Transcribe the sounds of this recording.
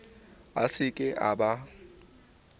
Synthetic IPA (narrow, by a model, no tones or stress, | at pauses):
asɪkʼɪʔaɓa